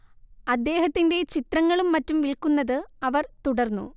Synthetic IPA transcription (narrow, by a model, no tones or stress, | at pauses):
ɐd̪ːe̞ːɦɐt̪ːinde̞t͡ɕit̪rɐŋːɐɭumːɐtːumʋilkunːɐðɨɐʋɐrt̪uɽɐrnːṵ